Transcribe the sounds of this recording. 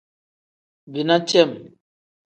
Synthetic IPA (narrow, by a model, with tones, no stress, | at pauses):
bi˨na˦t͡ʃɛ˦˨m